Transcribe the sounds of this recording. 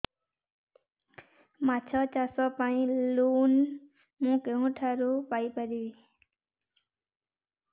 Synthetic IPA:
mat͡ʃʰɔt͡ʃasɔpaĩluːn | mũkeɦũʈʰaɾupaipəɾiʋi

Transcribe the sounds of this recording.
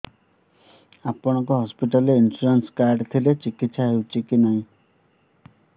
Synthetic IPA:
apɔɽ̃ɔŋkɔɦɔspiʈɔleinsuɾanskaɾɖt̪ʰilet͡ʃikit̪saɦewt͡ʃʰikinaɦĩ

